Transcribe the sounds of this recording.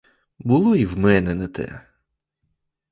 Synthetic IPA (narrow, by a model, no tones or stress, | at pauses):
bʊlˠɔiwmɛnɛnɛt̪ɛ̰